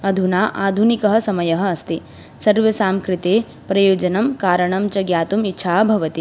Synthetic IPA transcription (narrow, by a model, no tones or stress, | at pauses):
ɐd̪ʱunaːʔaːd̪ʱunikɐɦɐ̆sɐmɐjɐɦɐɐst̪i | sɐɾʋjɐsaːmkɾɪt̪eː | pɾɐjoːd͡ʒɐnɐmkaːɾɐɳɐmt͡ʃɐɡjaːt̪umitːʃʰaːɐbʱɐʋɐt̪i